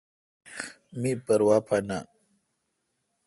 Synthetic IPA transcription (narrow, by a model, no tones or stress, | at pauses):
mipəɾwapʰana̰